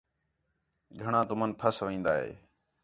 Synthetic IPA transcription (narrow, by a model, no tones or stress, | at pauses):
ɡʱəɳãːt̪ʊmənpʰəsʋĩːnd̪a̰ːɦḛː